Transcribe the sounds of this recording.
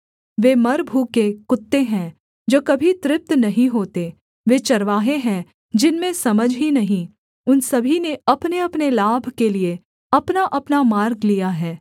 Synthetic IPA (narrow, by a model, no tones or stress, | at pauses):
ʋeːmɐɾbʱuːkekʊt̪ːeɦɛ̃ | d͡ʒoːkɐbʱit̪ɾɪp̚t̪nɐɦĩɦoːt̪e | ʋeːt͡ʃɐɾʋaːɦeɦɛ̃ | d͡ʒɪnmẽsɐməd͡ʒʱɦinɐɦĩ | ʊnsɐbʱineɐpneɐpnelaːbʱkelie | ɐpnaʔɐpnamaːɾɡlijaɦɛː